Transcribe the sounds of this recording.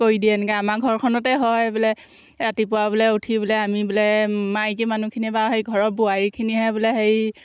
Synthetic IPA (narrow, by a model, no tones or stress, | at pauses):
koidiɛnɛkɛamaɡʱɔɹkʰɔnɔtɛɦɔjbʊlɛ | ɹatipʊwabulɛutʰibʊlɛamibulɛmajk̬emanukʰinibaɦejɡʱɔɹɔt̚buaɹikʰiniɦɛbʊlɛɦej